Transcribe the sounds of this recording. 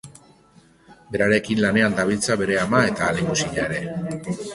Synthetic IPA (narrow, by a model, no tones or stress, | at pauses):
be̞ɾaɾe̞kinlane̞and̪aβ̞ilt͡saβe̞ɾe̞amae̞t̪aːleɣusiʎaeɾe̞